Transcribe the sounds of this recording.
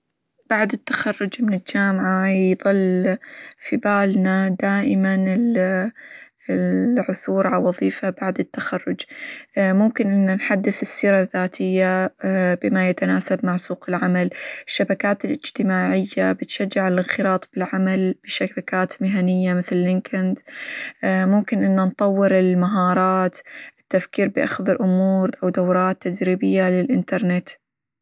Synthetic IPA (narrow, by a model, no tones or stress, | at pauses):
b̥aʕd̪ɪt̪ːḁxɑrːʊd͡ʒmɪnɪld͡ʒaːmʕajðˤɨlː | fibaːlnad̪aːʔɪmanɪl | ʕʊθuːɾʕawɑðˤiːfabaʕd̪ɪt̪ːaxɑrːʊd͡ʒ | mʊmkɪnʔɪnːanħad̪ːɪθɪsːiːɾaðːaːt̪ʰɪjːabɪmajat̪anaːsab̚maʕsuːqɪlʕamalɪʃːabakaːt̪ɪlʔɪd͡ʒt̪ɪmaːʕɪjːabɪt̪ʃad͡ʒːɪʕallɪnxɪɾɑːt̪ˤb̥ɪlʕamalb̥ɪʃabakaːt̪mɪɦanɪjːamɪθlɪlːɪŋkand̪ | mʊmkɪnʔɪnːant̪ˤɑwːɪɾɪlmaɦɑːɾˤɑːt̪ʔɪt̪ːafkiːɾbɪʔa̰xðɪlʔʊmuːɾʔawd̪awɾˤɑːt̪ːad̪ɾiːbɪjːalɪlʔɪnt̪ɑɾˤnɪt̪